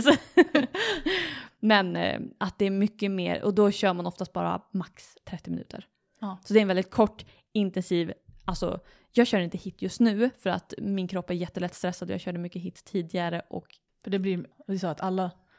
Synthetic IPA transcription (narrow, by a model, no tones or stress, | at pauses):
s | mɛnat̪̚d̪ɛːɾmʏkːəmḛːɾɔ̰d̪ɔɕœːmanɔft̪ast̪̚bɑ̰ːɾa̰maks | t̪ʰɾɛt̪ːɪmɪnʉ̟ːt̪ə̰ɾ | sɔd̪ɛɾɛnvɛld̪ɪt̪̚kʰɔʈː | ɪnt̪ɛnsiːvalsɔ̰ | jɑːɡɕœːɾɪnt̪əhɪt̪ːjɵst̪nʉ̟ːfœɾa̰t̪mɪnkʰɾɔpːæɾjɛt̪ːəlɛt̪ːst̪ɾɛsːad̪ɔjɑ̰ːɕœːɖəmʏkːəɦɪt̪ːt̪ʰːiːd̪ɪɡaɾəʔɔ̰k | fœɖɛblɪd̪ɛsɔːat̪ʰalːa